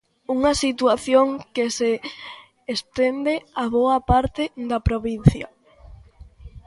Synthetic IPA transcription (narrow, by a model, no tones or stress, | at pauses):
uŋɐsit̪waθjoŋkeseː | st̪end̪eaβoɐpaɾt̪ɪd̪apɾoβin̟θjɐ̰